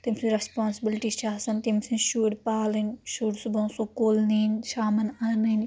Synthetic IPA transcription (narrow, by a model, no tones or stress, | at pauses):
t̪imsiɾɐspaːnsbilʈiʃaːsɐnt̪imsinʃuːɽpaːlinʃuːɽsubɐ̃nsukoːlninʃaːmɐnanin